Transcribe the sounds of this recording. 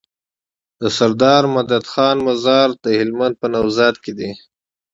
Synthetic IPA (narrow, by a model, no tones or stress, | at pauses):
d̪əsaɾd̪ɑːɾmad̪ad̪xɑːnmazɑɾd̪əhɪlmand̪̚pənawzɑːd̪̚ked̪i